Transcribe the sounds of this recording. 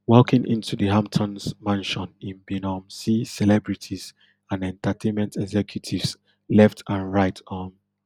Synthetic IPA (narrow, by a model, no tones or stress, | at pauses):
wɔkĩŋʔḭ̃ntuðəhãmp̚tʰɔ̃nsmãnʃɔ̃nĩnbinɔmsisɛlɛbɹitʰiz̥ | ãnɛ̃ntatʰẽnmɛ̃ntʰɛɡzɛkʰjutʰivs | lɛftʰãnɹaɪtʰɔ̃n